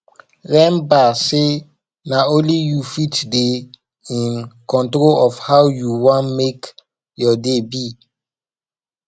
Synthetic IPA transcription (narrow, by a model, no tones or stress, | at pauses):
ɹɛ̃mbase | naõnlijufitde | ĩnkɔ̃ntɾolɔfhawjuwãnmek | jɔdebi